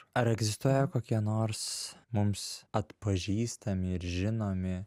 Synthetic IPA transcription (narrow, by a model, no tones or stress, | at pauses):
ɐɾɛɡzʲɪst̪uɔjɛkoːkʲiɛnoːɾsmʊmsɐt̪pɐʒʲiːst̪ɐmʲɪɪɾʒʲɪnoːmʲɪ